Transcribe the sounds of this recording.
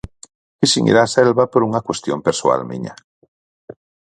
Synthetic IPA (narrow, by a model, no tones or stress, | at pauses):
kɪsiŋḭɾaːsɛlβɐpoɾuŋɐkwest̪jompeɾsua̰lmḭɲɐ̰